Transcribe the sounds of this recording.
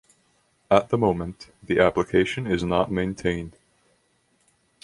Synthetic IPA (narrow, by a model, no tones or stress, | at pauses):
ət̪̚ðəmõʊ̃mə̃nðiʔæpləkʰeɪʃɨ̃nɪznət̚mẽɪ̃ntʰẽɪ̃nd̥